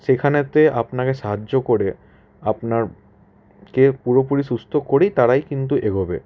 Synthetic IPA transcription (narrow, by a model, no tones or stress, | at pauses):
ʃekʰanet̪eapnakeʃaɦad͡ʑokoɾe | apnaɾ | kepuɾopuɾisust̪ʰokoɾejt̪aɾajkint̪̬uʔeɡobe